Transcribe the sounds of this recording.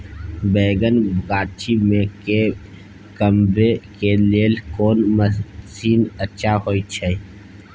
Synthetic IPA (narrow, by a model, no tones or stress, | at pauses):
beːɡənɡaːt͡ʃimẽke | kəmbekeleːlkoːnməsiːnət͡ʃʰahoːit͡ʃʰɛ